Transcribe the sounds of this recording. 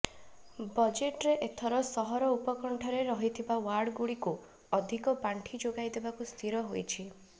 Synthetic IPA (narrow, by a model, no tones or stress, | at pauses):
bɔd͡ʒeʈɾeʔet̪ʰɔɾɔsɔɦɔɾɔupɔkɔɳʈʰɔɾeɾɔɦit̪ʰibawaɾɖɡuɽiku | ɔd̪ʱikɔpaɳʈʰid͡ʒoɡajd̪ebakust̪ʰiɾɔɦojt͡ʃʰi